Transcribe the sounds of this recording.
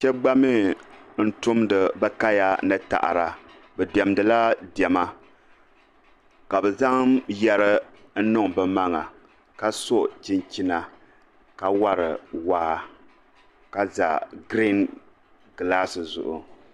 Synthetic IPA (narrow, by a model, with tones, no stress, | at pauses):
t͡ʃɛ˦ɡ͡ba˦mi˦n̩˦tʊ˦mdɨ˨bɛ˦ka˦ja˦nɨ˦ta̰˨ʔa̰˨ɾa˨ | bɛ˨dɛ˨mdɨ˨la˦dɛ˨ma˦ | ka˨bɛ˨za˦ŋjɛ˦ɾɨ˦ | n̩˦nʊ˦ŋbɨ˦ma˦ŋa̰˨ | ka˦so˦ʔt͡ʃi˦nt͡ʃi˦na˨ | ka˦wa˦ɾɨ˨waː˦ | ka˦za̰˨ɡɾi˦n | ɡla˦sɨ˨zʊ̰˨ʔʊ̰˨